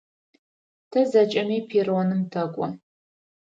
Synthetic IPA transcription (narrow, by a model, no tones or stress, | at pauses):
tʰɐzɐt͡ʃʼɐmiːpʰiːronɨmtʰɐkʷʼɔ